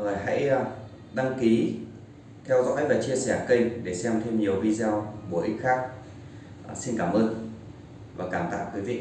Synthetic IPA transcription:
əː˨˩jɦa̰˧˥j | ɗa˧ŋki˨˦ | t̪ʰɛ˧wzɔ̰ː˧˥jvaː˨˩t͡ɕi˧əsɛ˧˩kə˧jŋɗe˧˩sɛ˧mt̪ʰe˧mɲi˨˩əwvi˧za˧wɓu˧˩ʔi˦˥xaː˦˥k̚ː | si˧nkaː˧˩mʔəː˧n | vaː˨˩kaː˧˩mt̪a̰ː˧˨wkwi˨˦vḭ˧˨

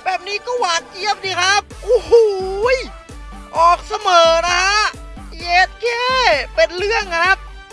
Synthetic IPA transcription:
bɛː˨˩p̚niː˦˥kɔː˥˩waː˨˦n̚ʔi˦˥˩əp̚diː˧˩kʰa˦˥p̚ʔu˧˩hu˧j | ʔɔː˨˩k̚sa˧mɤː˨˩˦na˦˥a˦˥ʔjeː˦˥t̪̚keː˥˩pe˧nlɯ˥˩əŋkʰɾa˦˥p̚

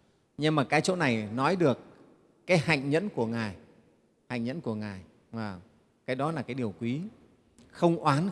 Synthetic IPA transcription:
ɲɨ˧maː˨˩kaː˨˦jt͡ɕo̰˧˥na˨˩jnɔ˨˦jɗɨ˨˩əkː | aː˨˦jha̰˧˨jŋ̟ɲə̰˧˥nku˧˩əŋaː˨˩j | ha̰˧˨jŋ̟ɲə̰˧˥nku˧˩əŋaː˨˩j | vaː˨˩ | kaː˨˦jɗɔ˨˦laː˨˩kaː˨˦jɗi˨˩əwkwi˨˦ | xə˧wŋ͡mʔwʔaː˨˦n

